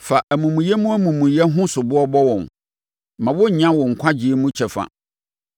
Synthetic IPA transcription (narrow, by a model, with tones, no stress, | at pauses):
fa˨ʔæ˨mũ˨mũ˨jɛ˦mũ˦æ˦mũ˨mũ˨jɛ˦ɦʊ̃˦sʊ˨bʊ˦ɔ˦bɔ˦wɔ̃˨n | mã˨wʊ˦ɲã˦wɔ̃˨ŋ̩˨kʷʰa˦d͡ʑi˨e˦mũ˦t͡ɕʰɛ˨fa̰˨